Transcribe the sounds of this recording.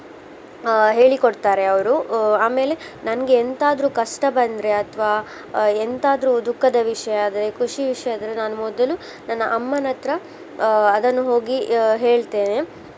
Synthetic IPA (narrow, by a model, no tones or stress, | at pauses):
ɦe̞ːɭikoɖt̪aːɾe̞ɐʋɐɾuaːme̞ːle̞nɐnɐɡe̞ːnt̪aːd̪ɾuːkɐʂʈɐbɐnd̪ɾe̞ɐt̪ʰʋaː | ent̪aːd̪ɐɾuːd̪ukʰːɐd̪ɐʋiʂɐjaːd̪ɐɾekʰuʂiʋiʂɐjaːd̪ɐɾenaːnumɔd̪ɐlu | nɐnːɐʔɐmːɐnɐt̪ɾɐ | ɐd̪ɐnːuɦo̞ːɡiɦe̞ːɭt̪e̞ːne̞